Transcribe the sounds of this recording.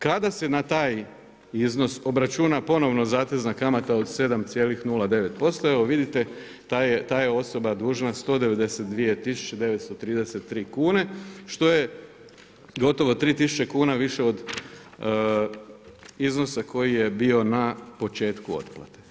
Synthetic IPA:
kad̪asenat̪aːj | izno̞so̞bɾat͡ʃunapo̞no̞ʋno̞zaːt̪eznakamat̪ao̞d̪se̞d̪amt̪sje̞ːlixnulˠad̪e̞ʋe̞t̪̚po̞st̪oeoʋid̪it̪e̞ | t̪ajet̪aːjeo̞so̞bad̪uːʒnast̪o̞ːd̪e̞ʋe̞d̪e̞set̪̚d̪ʋiet̪isu̥t͡ʃed̪e̞ʋet̪st̪ot̪ɾiːd̪ese̞t̪ːɾiːkuːne̞ʃt̪o̞je̞ | ɡo̞t̪o̞ʋo̞t̪ɾiːt̪isut͡ɕe̞kuːnaʋiʃe̞o̞d̪ | izno̞sako̞jijebio̞napo̞t͡ʃe̞ːt̪kuo̞̰t̪plˠa̰t̪e

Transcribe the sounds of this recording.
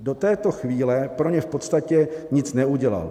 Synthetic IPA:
do̞t̪ɛːt̪o̞xviːlɛpɾo̞ɲɛfpo̞t̪st̪acɛɲɪt͡snɛuɟɛla̰l

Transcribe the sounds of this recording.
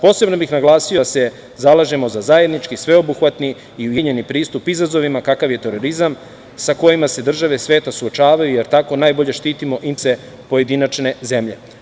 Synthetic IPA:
po̞ːse̞bno̞bixnaɡlˠaːsijose̞ | zalˠaʒe̞mo̞zazaje̞d̪nit͡ʃkisʋe̞obuxʋat̪niː | iujeɲe̞nipɾiːst̪upizazo̞ʋimakakaʋje̞t̪e̞ɾo̞ɾizam | sako̞jimase̞d̪r̩ʒaʋesʋe̞ːt̪asuot͡ʃaːʋajujeɾt̪ako̞naːjbo̞ʎe̞ʃt̪iːt̪imo̞ʔimt̪se̞ | po̞je̞d̪inat͡ʃne̞ze̞mʎe̞̰

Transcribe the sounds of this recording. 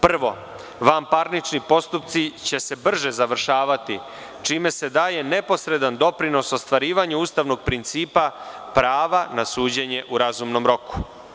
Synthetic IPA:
pr̩ʋo̞̰ | ʋampaɾnit͡ʃnipo̞st̪upt̪sit͡ɕe̞se̞br̩ʒe̞zaʋr̩ʃaːʋat̪i | t͡ʃiːme̞se̞d̪aːje̞ne̞po̞sɾe̞d̪and̪o̞pɾino̞so̞st̪ʋaɾiːʋaɲauːst̪aʋno̞ɡ̚pɾint̪siːpapɾaːʋanasuːd͡ʑe̞ɲe̞ʔuɾazumno̞mɾo̞ku̥

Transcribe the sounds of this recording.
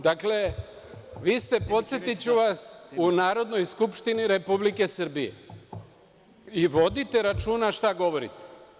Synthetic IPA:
d̪akle̞ | ʋiːst̪e̞po̞t̪sje̞t̪it͡ɕuʋasunaːɾo̞d̪no̞jskupʃt̪iniɾe̞publike̞sr̩bijḛ | iʋo̞d̪it̪e̞ɾat͡ʃuːnaʃt̪aɡo̞ʋo̞ɾḭt̪e̥

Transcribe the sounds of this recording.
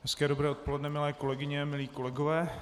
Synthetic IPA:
ɦɛskɛːdobɾɛːot̪̚po̞lɛdnɛmɪlɛːko̞lɛɡɪɲɛmɪliːko̞lɛɡovɛː

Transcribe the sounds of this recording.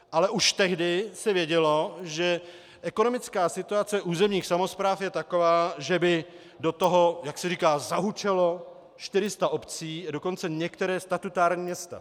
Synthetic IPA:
ʔalɛʔuʃt̪ɛɦdɪsɛvjɛɟɛlo̞ʒɛ | ʔɛko̞nomɪt͡skaːsɪt̪uat͡sɛʔuːzɛmɲiːxsamo̞spɾaːfjɛt̪ako̞vaːʒɛbɪ | dot̪o̞ɦo̞jaksɛɾiːkaːzaɦut͡ʃɛlo̞ | ʃt̪ɪɾɪst̪aʔo̞pt͡siːado̞kont͡sɛɲɛkt̪ɛɾɛːst̪at̪ut̪aːɾɲiːmɲɛst̪a̰

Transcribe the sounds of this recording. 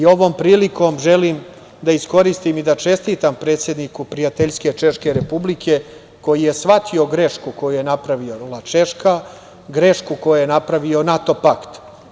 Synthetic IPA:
io̞ʋo̞ːmpɾiːliko̞mʒe̞lim | d̪aisko̞ɾist̪imid̪at͡ʃe̞st̪it̪ampɾet̪sjed̪nikupɾijat̪eʎske̞t͡ʃe̞ʃke̞ɾe̞publikʰe̞ | ko̞jije̞sʋat̪ʰio̞ɡɾe̞ʃkuko̞juje̞napɾaʋio̞lˠat͡ʃeʃka | ɡɾe̞ʃkukojujenapɾaʋio̞nat̪o̞pakt̪

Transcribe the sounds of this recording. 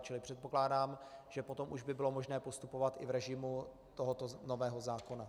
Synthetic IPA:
t͡ʃɪlɪpr̝̥ɛt̪̚po̞klaːdaːmʒ̥ɛpo̞t̪o̞mʔuʒbɪbɪlo̞mo̞ʒnɛːpo̞st̪upo̞vat̪ɪvɾɛʒɪmu | t̪o̞ɦo̞t̪ono̞vɛːɦo̞zaːko̞na

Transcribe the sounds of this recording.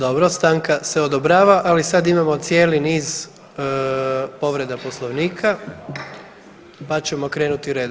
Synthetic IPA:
d̪o̞bɾost̪aŋkase̞od̪obɾaːʋaʔalisad̪imamo̞t̪sje̞ːliniːz | po̞ʋɾe̞d̪apo̞slˠo̞ʋniːkʰa | pat͡ɕe̞mo̞kɾe̞ːnut̪iɾed̪

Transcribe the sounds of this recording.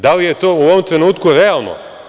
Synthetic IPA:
d̪alijet̪oːuoomt̪ɾenuːt̪kuɾealˠno̰

